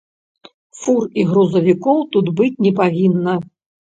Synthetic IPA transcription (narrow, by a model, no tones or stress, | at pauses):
furiɣɾuzɐvʲikɔwt̪ud̪bɨt͡sʲnʲɛpaɣʲinːɐ